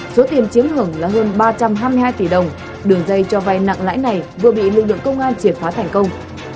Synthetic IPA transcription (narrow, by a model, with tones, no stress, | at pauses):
so˨˦t̪i˨˩ənt͡ɕi˨˦əmhɨ˨˧˩əŋlaː˨˩ɦəː˧nɓaː˧t͡ɕa˧mɦaː˧jmi˧jɦaː˧jt̪i˧˩ɗə˨˩wŋ͡m | ɗɨ˨˧˩əŋzə˧jt͡ɕɔ˧va˨˧˩jna̰˧˨ŋla̰ː˧˥jna˨˩jvɨ˨˩əɓḭ˧˨lɨ˨˩k̚lɨ̰˧˨əŋkə˧wŋ͡mʔaː˧nt͡ɕi˧˩əmfaː˨˦t̪ʰa˨˩jŋ̟kə˧wŋ͡m